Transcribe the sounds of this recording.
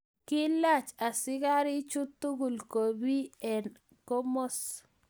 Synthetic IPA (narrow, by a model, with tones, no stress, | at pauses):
kɪ˦la˦˨t͡ʃa˨sɪ˦ka˦ɾi˦t͡ʃu˦t̪ːu˦ɡu˨lko˨bi˦ɛ˨n | ko˦mo˦s